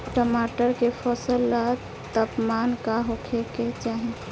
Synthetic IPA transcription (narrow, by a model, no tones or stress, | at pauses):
ʈəmaʈəɾkepʰɔsəlːa | t̪əpmankaɦokʰeket͡ʃaɦi